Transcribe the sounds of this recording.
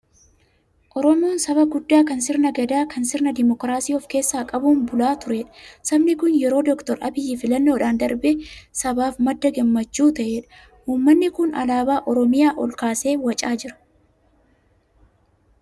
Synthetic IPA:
ʔɔɾɔmoːnsɐbɐɡʊd̪ːaːkɐnsɪɾnɐɡɐd̪aːkɐnsɪɾnɐd̪ɪmɔkɾaːsiːɔfke̞ːsːaːkʼɐbuːnbʊlaːt̪ʊɾeːᶑɐ̥sɐbnɪkʊnjɛɾo̞ːd̪ɔkt̪ɔɾʔɐ̰bɪjːifɪlɐnːoːᶑaːnd̪ɐɾbɛsɐbaːfmɐd̪ːɐɡɐmːɐt͡ʃːuːt̪ɐʔeːᶑɐ̥ | huːmːɐnːɪkʊnɐ̰laːbaːʔɔɾɔmɪjaːʔɔlkaːse̞ːwɐt͡ʃʼaːd͡ʒɪɾɐ̥

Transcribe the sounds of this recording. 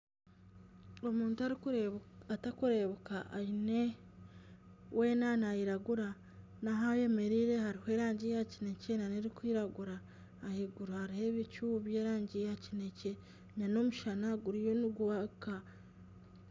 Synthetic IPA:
o̞muːntua | atakuɾe̞βokaʔaine | wʔe̞ːnanajiɾaɡuɾa | naɦaje̞me̞ɾiɾe̞haɾihoe̞ːɾaːɲɟijacine̞ce̞naniɾikwiːɾaɡuɾaː | hiɡuɾohaɾihe̞βit͡ʃuβje̞ːɾaːɲɟijacine̞ce̞ | ɲano̞muʃanaɡuɾijo̞niɡuβaka

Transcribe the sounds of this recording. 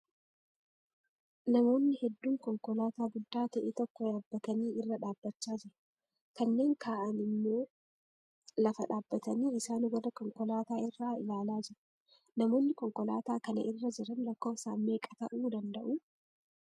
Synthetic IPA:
nɐmo̞ːnːɪhɛd̪ːuːŋkɔŋkɔlaːt̪aːɡʊd̪ːaːt̪ɐʔeːt̪ɔkːɔᶑaːbːɐt̪ɐniːɪrːɐᶑaːbːɐt͡ʃːaːd͡ʒɪɾɐ | kɐnːe̞ːŋkʰaːʔɐnɪmːoː | lɐfɐᶑaːbːɐt̪ɐniːɪsaːnwɐdɐkɔŋkɔlaːt̪aːɪrːaːɪlaːlaːd͡ʒɪɾ | nɐmo̞ːnːɪkɔŋkɔla̰ːt̪aːkɐnɐ̰ʔɪrːɐd͡ʒɪɾɐnlɐkːo̞ːfsaːnme̞ːkʼɐt̪ɐ̰ʔuːd̪ɐnd̪ɐʔuː

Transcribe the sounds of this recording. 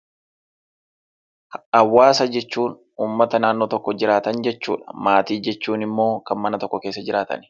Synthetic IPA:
ɐwːaːsɐd͡ʒɛt͡ʃːuːn | uːmːɐt̪ɐnaːnːoːt̪ɔkːɔd͡ʒɪɾaːt̪ɐnd͡ʒɛt͡ʃːuːᶑɐ̥maːt̪iːd͡ʒɛt͡ʃːuːnɪmːo̞ːkɐnmɐnɐt̪ɔkːɔkeːsːɐd͡ʒɪɾaːt̪ɐ̰n

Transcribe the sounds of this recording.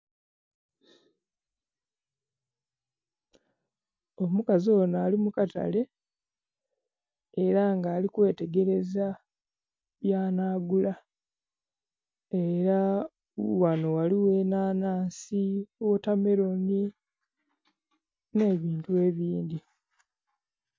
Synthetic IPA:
o̞mukazoːnaːlimukata̰le̞ | eːɾaŋɡaːlikwe̞ːte̞ɡe̞ɾe̞za | βjaːnaːɡula | e̞ɾa | wano̞waliwe̞naːnaːnsiwotame̞ɾo̞ni | ne̞ːβiːntue̞ːβiːndi

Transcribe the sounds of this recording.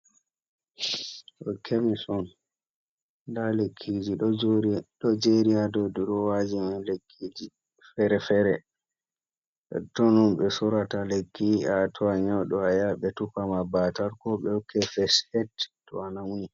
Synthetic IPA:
ɗɔ̰kʰemisɔn | dalekʰːid͡ʒiɗɔɾɗɔd͡ʒeɾiadoduɾɔwad͡ʒimanlekʰːid͡ʒi | fɛɾɛfɛɾɛ | ɛ̰tɔnɔnɓɛsuɾatalekʰːiatʰɔaɲɔwɗɔajaɓɛtupamabataɾkɔɓɛɔkʰːɛfɛshɛtː | ɔ̰anawuni

